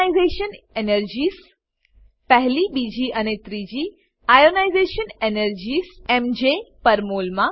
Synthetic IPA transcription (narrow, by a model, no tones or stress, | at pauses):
izeʃən | enəɾd͡ʑiːs | pəɦlibid͡ʑiʔənet̪ɾid͡ʑi | ajonajzeʃənenəɾd͡ʑiːsemd͡ʒepəɾmolmã